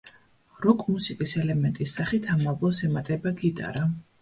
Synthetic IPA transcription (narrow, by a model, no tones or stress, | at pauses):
ɾɔkʼmusikʼisɛlɛmɛnt̪ʼisːaχit̪ʰamalˠbɔsɛmat̪ʼɛbaɡid̪a̰ɾa